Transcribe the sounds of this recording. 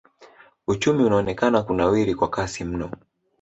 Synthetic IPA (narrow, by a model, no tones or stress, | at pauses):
ut͡ʃumiunaɔnɛkanakunawiɾikwakasim̩nɔ